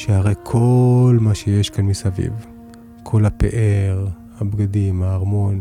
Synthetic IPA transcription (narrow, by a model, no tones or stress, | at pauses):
ʃehaʁejkʰo̞lmaʃejeʃkanmisavḭv | kʰo̞lapḛʔeʁ | habɡadimaːʁmo̞n